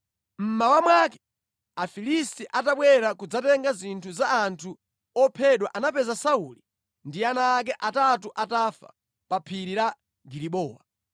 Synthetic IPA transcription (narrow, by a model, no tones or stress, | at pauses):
m̩mawamwakɛ̥ | afilistiʔataɓwɛɾakud͡zatɛŋɡazintʰuzaːntʰu | ɔpʰɛɗwaʔanapɛzasauli | ndianaːk̬ɛʔatatuʔatafa̰ | papʰiɾiɾa | ɡiɾiɓɔːwa